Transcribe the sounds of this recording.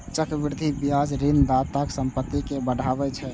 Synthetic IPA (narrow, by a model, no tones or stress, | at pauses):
t͡ʃəkbiɾd̪ʱibijad͡ʒɾind̪at̪aksəmpət̪ːikebəɽʱabɛt͡ʃʰɛ